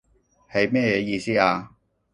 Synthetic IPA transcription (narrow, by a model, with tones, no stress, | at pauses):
he˨˧jmɛː˥jɛː˨˧jiː˧siː˥aː˧